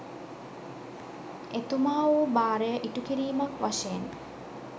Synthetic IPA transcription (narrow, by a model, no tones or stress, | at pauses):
et̪umaːʋubaːɾəjəʔiʈukiɾiːmakʋaʃejen